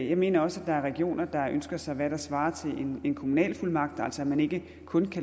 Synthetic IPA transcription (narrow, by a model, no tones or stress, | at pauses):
jɑ̈ɪme̝ːnɐɒ̽səæd̥ɑ̈æɐʁɛɡ̥io̝̰ːnɐd̥ɑ̈ønsɡ̥ɐsɑ̈ɪʋæɾ̥ɑ̈sʋɑ̈ːɐt͡sʰe̝lʔene̝nkʰo̝munɛ̰ːlfulmɑ̈ɡ̥̚d̥æl̰sɒæmæne̝ɡ̥ə | kʰɔ̽nkʰæ